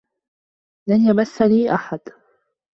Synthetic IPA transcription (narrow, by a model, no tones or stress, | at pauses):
lanjabaθːaliːʔaħad̪